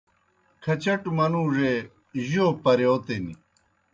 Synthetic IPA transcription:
kʰɐt͡ɕɐʈmɐnũːʐe | ʑoːpɐɾeot̪enḭ

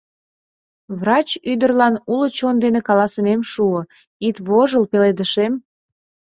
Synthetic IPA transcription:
βrɑt͡ɕyd̪ərlɑnulət͡ɕond̪enekɑlɑsəmemʃuə | it̪βoʒəlpeled̪əʃem

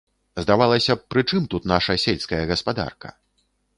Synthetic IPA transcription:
zd̪avalˠɐsʲɐpɾɨt͡ʂɨmt̪ut̪naʂɐsʲɛlʲskɐjɐɣɐspad̪a̰rkɐ̰

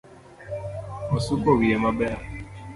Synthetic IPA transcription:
ɔsukɔɣiemabɛa

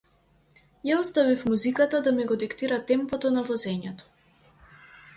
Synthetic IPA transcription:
jaɔst̪avifmuzikat̪ad̪amiɡɔd̪ikt̪iɾat̪ɛmpɔt̪ɔnavɔzɛɲɛt̪ɔ̥

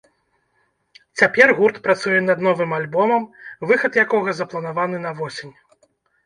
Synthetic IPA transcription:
t͡sʲapʲɛrɣurt̪pɾat̪sujɛnɐd̪nɔvɨmalʲbɔmɐmvɨxɐt̪jakɔɣɐzɐplˠɐn̪avan̪ɨnɐvɔsʲenʲ

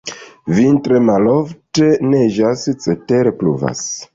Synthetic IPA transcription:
vintɾemalofte̞neʒast͡seteɾeplṵva̰s

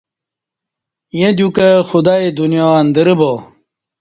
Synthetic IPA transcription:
jed̪jukɐxud̪aid̪unjand̪əɾəbo

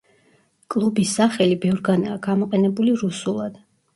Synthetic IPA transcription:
kʼlˠubisːaχɛlibɛvɾɡanaːɡamɔqʼɛnɛbuliɾusulˠad̪̥

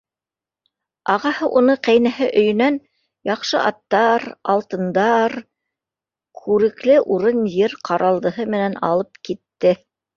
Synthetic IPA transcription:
ɑʁɑhɤʔunɤqæjnæhɘʔɵ̆jɵ̆næn | jɑqʃɤ̰ʔɑt̪ːɑɾɑlˠt̪ɤ̆nd̪ɑɾ | kʰʉɾɘ̆klɘʔuɾɤnjɘɾqʰɑɾʔɑlˠd̪ɤ̆ɦɤmɘ̆nænɑ̰lˠɤp̚kit̪ːɘ

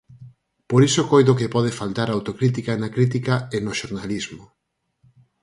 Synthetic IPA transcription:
poɾisokojðokepɔð̞efalt̪aɾawt̪okɾit̪̬ikanakɾit̪̬ikaenoʃoɾnalizmo

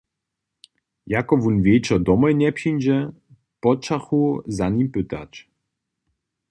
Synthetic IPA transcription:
jakɔvunvʲjejt͡ʃɔd̪ɔmɔjnʲɛpɕinʲd͡ʑɛ | pɔt͡ʃaxuzaɲimpɘt̪a̰t͡ʃ

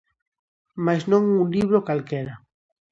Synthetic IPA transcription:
maznõŋunliβ̞ɾokalkeɾa

